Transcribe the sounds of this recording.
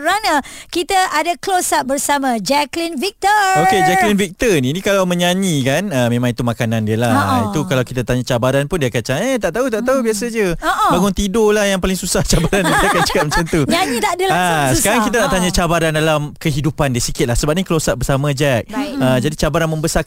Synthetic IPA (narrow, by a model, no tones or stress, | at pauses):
ɾanakit̪aadaklosaʔ̚bərsamãd͡ʒɛklinvik̚t̪əoked͡ʒɛklinvik̚t̪ənĩnĩkalawmə̃ɲaɲikanəmẽmãŋit̪umakanandiəlait̪ukalawkit̪at̪aɲat͡ʃabaɾanpʊndiakat͡ʃaet̪aʔt̪aut̪aʔt̪aubiasad͡ʒəoʔbaŋʊnt̪idolahjaŋpalɪŋsusaht͡ʃabaɾanidkat͡ʃəkamət͡ʃant̪uɲaɲĩt̪aʔdəlasə̥kaɾaŋkit̪anaʔt̪aɲãt͡ʃabaɾandalamkəɦidupandiəsikɪt̪̚lahsəbap̚nĩkəlosaʔ̚bərsamãd͡ʒɛk̚əd͡ʒadit͡ʃabaɾanmə̃mbəsa